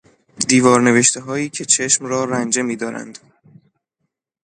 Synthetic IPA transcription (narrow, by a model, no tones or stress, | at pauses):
d̪iːvɒːɾne̞ve̞ʃt̪ʰeɦɒːjiːcʰe̞t͡ʃʰe̞ʃmɾɒːɾænd͡ʒe̞miːd̪ɒːɾæ̰nd̪̥